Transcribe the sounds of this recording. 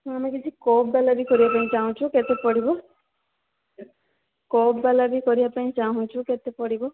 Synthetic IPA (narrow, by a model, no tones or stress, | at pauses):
amekid͡ʒʰikobbalabikɔɾibapaĩt͡ʃaɦũt͡ʃʰuket̪epɔɽibɔ | kobbalabikɔɾibapaĩt͡ʃaɦũt͡ʃʰuket̪epɔɽibɔ